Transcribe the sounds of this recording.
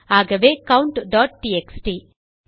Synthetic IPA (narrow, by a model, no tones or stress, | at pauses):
aːɡɐʋeːkɐwɳʈɖaːʈ̚ʈiːeksʈiː